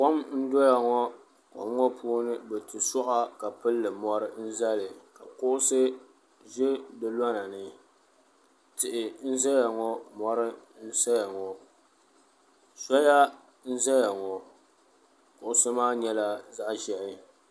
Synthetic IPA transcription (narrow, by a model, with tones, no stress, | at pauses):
kɔ˦mn̩˦dɔ˦ja˨ŋɔ˦ | kɔ̰˨˦ŋːɔ˦pʰu˦nɨ˦bɛ˨tɨ˨sʊ˦ʔa˦ka˨pɨ˦lːɨ˨mɔ˦ɾɨ˦n̩˦za˦lɨ˨ka˨kʊ˦ʔʊ˦sɨ˦ | ʒɪ˦dɨ˦lɔ˦na˨nɨ˦ | tɪ˨ʔɪ˨n̩˦za˦ja˨ŋɔ˦mɔ˦ɾɨ˦n̩˦sa˦ja˨ŋɔ˨ | sɔ˦ja˦ | n̩˦za˦ja˨ŋɔ˨ | kʊ˦ʔʊ˦sɨ˦maː˦ɲɛ˦la˦za˦ʔʒɛ˨ʔɪ˦